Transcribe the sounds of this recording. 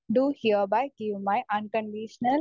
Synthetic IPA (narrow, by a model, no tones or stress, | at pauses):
ɖuhiəbaɪɡiʋmaɪʔə̃nkə̃ɳɖiʃənə